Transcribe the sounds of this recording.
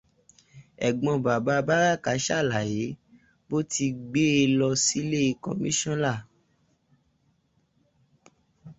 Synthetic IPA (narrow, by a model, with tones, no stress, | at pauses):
ɛ˨ɡ͡bɔ̃˧ba˨ba˨˦ba˦ɾa˦˨ka˨˦ʃa˦˨la˨je˨˦ | bo˦ti˧ɡ͡be˦e˧lɔ˧si˦le˦i˧kɔ̰̃˨mĩ˦ʃɔ̃˦la˦˨